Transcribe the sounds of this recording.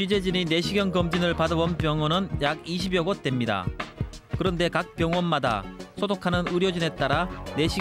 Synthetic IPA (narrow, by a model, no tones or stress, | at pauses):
ɥid͡ʑe̞d͡ʑinine̞ɕʰiɡjʌnɡʌmd͡ʑinɯɭpadɯbʌnpjʌŋwʌnɯnjaɡiɕʰibjʌɡot͈we̞mɲida̰ | kɯɾʌnde̞kak̚p͈jʌŋwʌnmada̰sʰodokʰanɯnɯɾjʌd͡ʑine̞t͈aɾane̞ɕʰi